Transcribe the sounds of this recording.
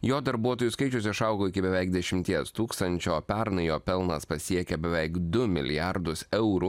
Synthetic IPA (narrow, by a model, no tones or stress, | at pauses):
joːd̪ɐɾbuɔt̪oːjuskɐɪt͡ʃʲʊsʲɪʃɐˑʊɡoːɪkʲɪbʲɛʋʲɛɪk̚d̪ʲɛʃʲɪmʲt̪ʲiɛst̪uːkst̪ɐnʲt͡ʃʲoːpʲɛɾnɐɪjoːpʲɛlˠnɐspɐsʲiɛkʲɛbʲɛʋʲɛɪkd̪ʊmʲɪ̰lʲɪ̰jæɾd̪ʊsɛʊɾu